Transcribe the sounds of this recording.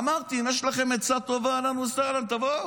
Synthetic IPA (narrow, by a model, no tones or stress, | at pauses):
amaʁt̪iimjeʃlaχe̞met͡sat̪o̞vaːlamusaʁlamt̪avo